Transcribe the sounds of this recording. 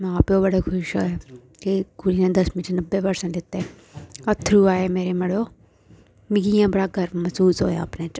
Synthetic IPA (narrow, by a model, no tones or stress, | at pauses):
m̃aːpjobəɽekʰʊʃɦoːɛ | kiɡuɾinẽːd̪ɐsmɪ̃t͡ʃnəbːeʋəɾsə̃lɪt̪e | ɐt̪ʰɾuaːemeːɾeməɽoː | mĩɡijãːbəɽaɡʱəɾmɐsuːsɦoːja̰ːpnẽːt͡ʃ